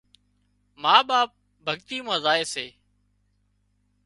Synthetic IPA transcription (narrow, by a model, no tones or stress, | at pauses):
maːɓaːp̚ | bʱəɠt̪iːmãːzaːeːseː